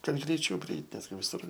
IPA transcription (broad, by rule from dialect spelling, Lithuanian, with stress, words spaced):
ˈkɐt ɡrʲɛɪˈt͡ʃʲɛʊ pʲrʲɪˈɛɪtʲ ˈnʲæːzʲɡʲɪ ʋʲɪˈsʊr